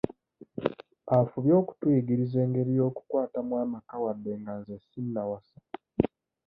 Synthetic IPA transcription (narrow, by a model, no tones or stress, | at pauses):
afuβjo̞ːku̥twiːɡiɾize̞ːŋɡe̞ɾijo̞ːku̥kwaːtamwaːmakawadːe̞ŋɡanzesinːawasa